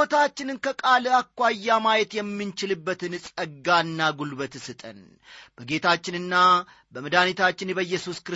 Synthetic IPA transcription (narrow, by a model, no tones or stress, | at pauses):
ot̪ʰat͡ʃːɪnɨnkəkʼalɨakʷːajːamajɛt̪jɛmːɨnt͡ʃɪlɨbːət̪ɨnsʼəɡanːaɡulbət̪sɨt̪ʼə̰n | b̥əɡet̪ʰat͡ʃːɪnɨnːa | bəmɨd̪anit̪ʰat͡ʃːɪnbəjːɛsuskɾ